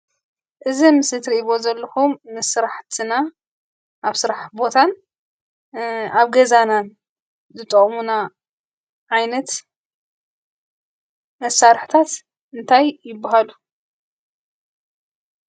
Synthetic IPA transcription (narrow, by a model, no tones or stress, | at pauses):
ʔɨzimɨsɨt̪ʰɾiʔβo̞zɐlːɐxumːɨsɨɾaħt̪ʰɨna | ʔaβsɨɾaħbo̞t̪ʰan | aβɡɐzanan | zɨt̪ʼːɐχʼmuna | ʕajnɐt̪ | mɐsaɾħt̪ʰat̪ | ɨnt̪ʰajːɪbːaɦalu